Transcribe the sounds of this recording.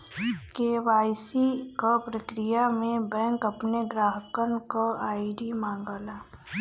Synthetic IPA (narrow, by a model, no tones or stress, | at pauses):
keːʋaːjsikopɾəkɾijamẽbɛ̃ːŋkɐpneɡɾaːɦəkənkoaːiɖimãːŋɡəlaː